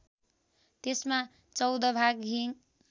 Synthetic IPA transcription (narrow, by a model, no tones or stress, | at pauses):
t̪esma | t͡sʌwd̪ʌbʱaɡɦiŋ